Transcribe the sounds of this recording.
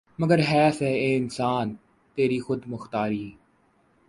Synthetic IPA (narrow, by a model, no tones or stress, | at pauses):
məɡəɾɦɛːsɛːeːɪnsaːn | t̪eːɾiːxʊd̪mʊxt̪aːɾiː